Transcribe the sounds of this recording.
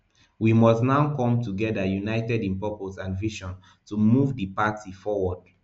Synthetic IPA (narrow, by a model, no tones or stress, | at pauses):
wimɔsnaʊkɔ̃mtuɡɛdəjunaɪtɛdĩnpɔposãnviʃɔ̃n | tumuvdəpatʰifɔwɔd̥̚